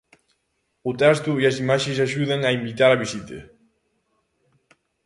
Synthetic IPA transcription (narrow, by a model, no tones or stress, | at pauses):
ut̪ɛst̪uiazimaʃes̬aʒuðɐŋaimbit̪aɾaβisit̪ḛ